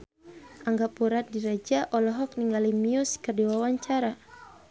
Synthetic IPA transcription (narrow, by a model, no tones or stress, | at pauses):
ʔaŋɡapuɾat̪̚diɾad͡ʒaʔɔlɔɦɔk̚niŋɡalimiuskərdiwawaɲt͡ʃaɾa